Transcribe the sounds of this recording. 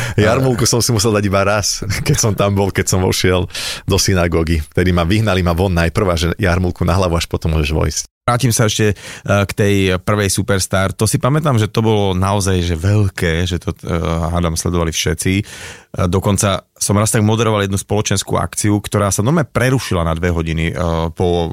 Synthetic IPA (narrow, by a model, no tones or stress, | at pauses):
jaɾmulkusɔmsimusɛld̪aɟibaɾaskɛcsɔmt̪ambɔlkɛcsɔmɔ̰ʃɪɛld̪ɔsinaɡɔɡift̪ɛd̪imaʋiɦnalimaʋɔnːajpr̩ʋaʒɛjaɾmulkunaɦlaʋuaʃpɔt̪ɔmːʊɔʒɛʒʋɔ̰jisc | ɾaːcimsaɛʃcɛkt̪ɛjpr̩ʋɛjsupɛɾst̪aːɾt̪ɔsipamɛt̪aːmʒɛt̪ɔbɔlɔnaɔzajʒɛʋɛʎkɛːʒɛt̪ɔad̪amslɛ̰d̪ɔʋalifʃɛt͡si | d̪ɔkɔnt͡sa | sɔmɾast̪aɡmɔd̪ɛɾɔʋaljɛd̪nuspɔlɔt͡ʃɛnskṵa̰kt͡siukt̪ɔɾaːsanɔmapɾɛɾuʃilanad̪ʋɛɦɔɟinipɔ